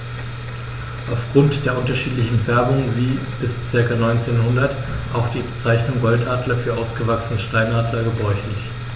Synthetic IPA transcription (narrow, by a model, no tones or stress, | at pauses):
ʔaʊfɡ̥ʁʊntd̥eːɐʔʊntɐʃiːtlɪçn̩fɛɐbʊŋviː | b̥ɪst͡sɪɐkanɔʏnt͡seːnhʊndɐtʔaʊxd̥iːbət͡saɪçnʊŋɡɔltʔaːdlɐfyːɐʔaʊsɡ̥əvaksənəʃtaɪnʔaːdlɐɡəbʁɔʏçlɪç